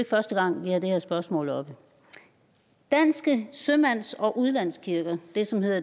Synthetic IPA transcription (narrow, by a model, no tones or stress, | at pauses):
ɡ̥fɶɐsd̥əɡ̥ɑ̈ŋ̰ʋihɑ̈d̥e̝heɐsb̥ɶɐsmɔ̰̽ːlɒ̽b̥ə | d̥æn̰sɡ̥əsømæn̰sɒ̽ʔuð̞ˠlæn̰skʰiɐɡ̥ɐd̥e̝sɒ̽mhe̝ð̰ˠɐ